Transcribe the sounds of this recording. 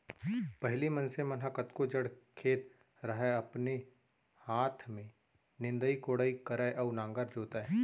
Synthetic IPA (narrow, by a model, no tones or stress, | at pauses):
pɐɦlimɐ̃nsẽmɐnɦakɐt̪kod͡ʒəɽkʰeːt̪ | ɾɐɦeɐpne | haːt̪ʰmẽ | nɪ̃nd̪əikoːɽaːikɐɾaeʔɐːnãːŋɡəɾd͡ʒoːt̪aɛ